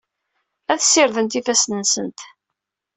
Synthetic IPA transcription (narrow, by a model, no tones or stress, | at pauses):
æθsːɪɾðənt̪ifæsnənsənt̪